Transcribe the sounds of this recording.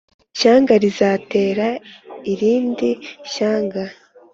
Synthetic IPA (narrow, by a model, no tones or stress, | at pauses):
ʃaːŋɡaɾizate̞ːɾaiɾiːndiʃaːŋɡa